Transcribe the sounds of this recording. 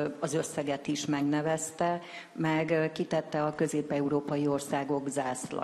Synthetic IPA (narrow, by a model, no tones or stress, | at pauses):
ɒzø̞sːɛɡɛt̪iʃmɛɡnɛvɛst̪ɛ | mɛɡkit̪ɛt̪ːɛɒkø̞zeːpɛuɾoːpɒjio̞rsaːɡo̞ɡzaːslɒ̰